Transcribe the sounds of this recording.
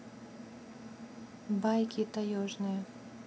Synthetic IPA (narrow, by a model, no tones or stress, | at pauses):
bajkʲit̪ɐjɔʐnɨjɛ